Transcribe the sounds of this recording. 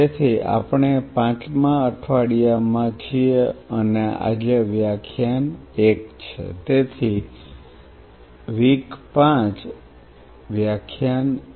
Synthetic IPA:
et̪ʰia̰pɳ̃epãt͡ʃmãəʈʰʋaɽijamãt͡ʃʰiənea̰d͡ʒeʋjakʰjanekt͡ʃʰḛt̪et̪ʰi | ʋikpãt͡ʃ | ʋjakʰjan

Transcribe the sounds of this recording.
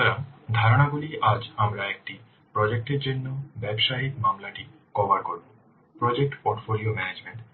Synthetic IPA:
ɾamd̪ʱaɾoɽ̃aɡuliʔad͡ʑamɾaek̚ʈi | pɾɔd͡ʑek̚ʈeɾd͡ʑonːobɛbʃaɦid̪mamlaʈi | kɔbaɾkoɾbo | pɾɔd͡ʑek̚ʈpoɾʈfoliomɛned͡ʑmeɳʈ

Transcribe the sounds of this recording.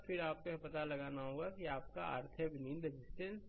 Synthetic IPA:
pʰɪɾaːp̚kopɐt̪alɐɡaːnaɦoːɡakiaːp̚kaa̰ːɾt̪ʰəbɪnind̪ɾed͡ʒɪsʈə̃ns

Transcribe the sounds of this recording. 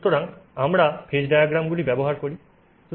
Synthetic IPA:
t̪ːoɾaŋamɾapʰed͡ʑɖajaɡɾamɡulibɛboɦaɾkoɾi | ʃu

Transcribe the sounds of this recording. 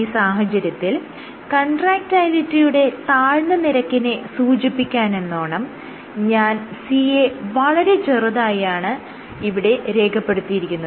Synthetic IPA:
iːsaːɦɐt͡ɕɐɾjɐt̪ːil | kɐɳɖraːk̚ʈaːjlitːijuɽe̞t̪aːɻnɐniɾɐkːinesuːd͡ʑipːikʲːaːne̞nːoːɳɐm | ɲaːnsiːeʋɐɭɐɾe̞t͡ɕerɨðaːjaːɳɨ | iʋiɽe̞ɾe̞ːɡʰʱɐpːe̞ɽut̪ːijiɾikʲːunːɐð

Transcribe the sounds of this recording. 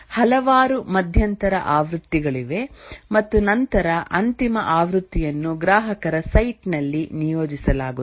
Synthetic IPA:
hɐlɐʋaːɾumɐd̪ʱjɐnt̪ɐɾɐ̰ʔaːʋɾut̪ːiɡɐɭiʋe̞mɐt̪ːunɐnt̪ɐɾɐʔɐnt̪imɐʔaːʋɾut̪ːijɐnːuɡɾaːɦɐkɐɾɐsɐjʈnɐlːinijoːd͡ʒisɐlaːɡu

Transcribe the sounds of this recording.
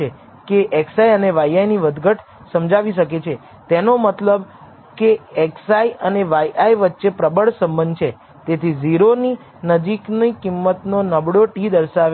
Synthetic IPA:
e | keʔɛksaiəneʋaiajniʋəd̪ɡʱəʈʰ | səmd͡ʒaʋiʃəket͡ʃʰe | t̪enomət̪ləb | keɛksaiəneʋajʔaiʋət̪ːʃepɾəbəɭsə̃mbənd̪̚ʱt͡ʃʰe | t̪et̪ʰiziɾoni | nəd͡ʒiknikimːət̪nonəbɽoʈid̪əɾʃaʋe

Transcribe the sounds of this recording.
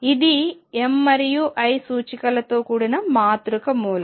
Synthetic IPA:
id̪iemːɐɾijuʔɐjsuːt͡ʃikɐlɐt̪oːkuːɽɐnɐmaːt̪ɾukɐmuːlɐ

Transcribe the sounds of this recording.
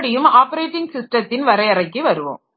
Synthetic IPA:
ɽɪjɯmaːpɐɾeːʈːɪŋɡsɪsʈrɐt̪ːɪnʋɐɾɐɪɐɾɐɪkːɯʋɐɾɯʋo̰ːm

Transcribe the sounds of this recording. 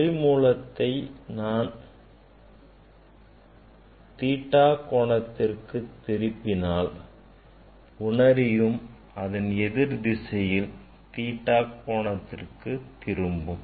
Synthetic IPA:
ɪmuːlɐt̪ːɐɪnaːn | t̪iːʈːaːkoːɳɐt̪ːɪrkɯt̪ːɪɾɯpːɪnaːl | ʊɳɐɾɪjɯm | ɐðɐnɛðɪɾd̪ɪsɐjɪl | t̪iːʈːaːkoːɳɐt̪ːɪ̰rkɯt̪ːɪɾɯmbɯm

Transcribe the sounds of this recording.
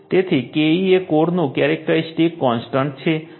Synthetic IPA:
t̪et̪ʰekeiekoɾnokɛɾek̚ʈaisʈikːɔnsʈaɳʈ̚t͡ɕʰe

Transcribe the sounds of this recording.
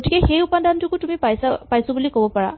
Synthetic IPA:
ɡoʈikeɦejupand̪ʱantʰukut̪umipajsapajsɔbulikɔbɔpaɽa̰

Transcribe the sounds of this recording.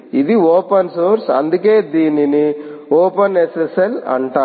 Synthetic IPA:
id̪ioːpɐnsoːɾsɐ̰nd̪uke̞ːd̪iːninioːpɐnesesɐɾɐ̰ɳʈaː

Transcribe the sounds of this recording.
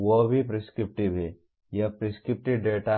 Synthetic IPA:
ʋobʱipɾiskɾɪp̚ʈibʱɛ | jɐpɾiskɾɪp̚ʈɪɖeːʈa

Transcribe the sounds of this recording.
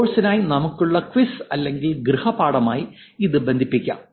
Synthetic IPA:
oːɻsɐnaːjinɐmukːuɭːɐkʋisɐlːe̞ŋɡilɡrɨhɐpaːɽɐmaːji | iðɨbe̞nd̪ʱipːikʲːa̰m

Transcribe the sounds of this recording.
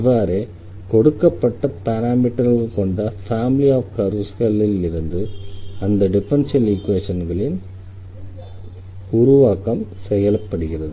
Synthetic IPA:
ʋːaːɾeː | kɔɽɯkːɐpːɐʈːɐpɐɾaːmiʈːɐɾɣɐɭkɔɳɖɐfaːmɪliaːfkɐɾuskɐlːɪlɪɾɯnd̪ɯɐnd̪ɐɖɪfɐnsɐliːkʋeːʂɐnɡɐɭɪn | ʊɾʊʋaːkɐmsɛjɐlɐpːɐɽɯɣɪrɐðɯ

